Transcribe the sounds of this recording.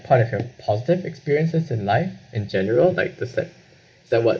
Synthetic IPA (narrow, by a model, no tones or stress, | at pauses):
pʰaɹɾɔv̥həpʰɔzɪtɪvɛkspiɹiə̃nsɨzɪ̃nlaɪfʔɪ̃nd͡ʒɛnəɹəlˠlaɪk̚ðəsɛ̰ | sɛt̚wʌt